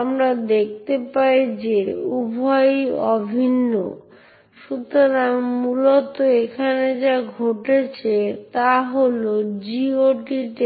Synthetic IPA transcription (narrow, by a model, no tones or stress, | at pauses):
amɾad̪ek̚ʰt̪epajd͡ʑeubʱɔjɔbʱinːo̰ | ʃut̪oɾaŋmulot̪oekʰaned͡ʑaɡʱoʈet͡ɕʰet̪aɦolod͡ʑioʈiʈ